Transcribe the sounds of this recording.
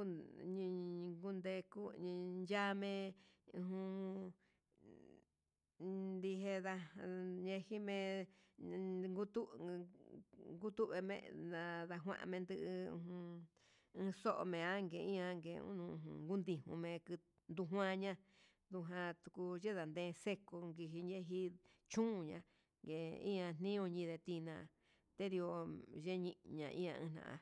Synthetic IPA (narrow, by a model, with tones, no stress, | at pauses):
ɲĩ˧ɡu˦nd̪e˧ku˦ĩ˧nd͡ʒa˦mẽ˧ũ˧ɦũ˧ | nd̪i˧ɦe˧ða˧ɲẽ˧hi˦mẽ˧ | ŋɡu˦t̪u˦ | ŋɡu˦t̪u˦ʔβe˧mḛ̃˧ã˧ða˧ɦwã̰˦ʔã̰˧mẽ˧nd̪ɨ˧ʔṵ˧ɦũ˧ | ɨ̃ː˧so˦ʔo̰˧mẽ˨a˦ŋɡe˨ĩ˦ã˧˦ŋɡḛ˨ṵ˦nṵ̃˧˨ṵ̃˧ŋɡu˦nd̪i˧hṵ̃˧mẽ˧kɨ˧ | nd̪u˧ɦwã˦˧ɲã˦ | ðu˧ɦã˧t̪u˧ku˧ʒe˦ða˨nd̪ẽː˧se˦ko˧ŋɡi˧ɦi˧ɲe˦ɦi˦ | t͡ʃũ˦˧˨ɲã̰˧ | ŋɡe˨ḭ̃˦ã˧n̥nĩ˦õ˧ɲĩ˧ðe˧t̪i˧nã˧˨˧ | t̪e˦ði˧o˧ʒe˦ɲĩ˧ɲã˧ʔḭ̃˦ã˧ʔɨ̰̃˧n̥nã̰˨ʔã̰˧